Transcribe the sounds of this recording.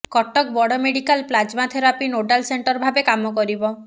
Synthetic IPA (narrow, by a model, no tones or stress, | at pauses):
kɔʈɔk̚bɔɽɔmeɽikalplad͡ʒmat̪ʰeɾapinoɖalseɳʈɔɾbʱabekamɔkɔɾibɔ